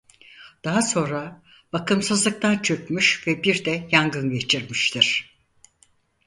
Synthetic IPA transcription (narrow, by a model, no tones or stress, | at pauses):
d̪̥aɦaso̞nɾa | b̥akɯmsɯzlˠɯk̚t̪ʰant͡ʃʰøkmyʃvɛbiɾd̪ɛjaŋɡɯnɟe̞t͡ʃʰiɾmiʃt̪ʰiɾ̝̥